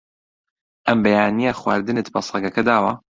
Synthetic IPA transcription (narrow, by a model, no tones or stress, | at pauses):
ʔɐmbɐjaːnijɐxwa̰ːɾd̪ɨnɨt̪bɐsˤɑɡɐkʰɐd̪aːwɐ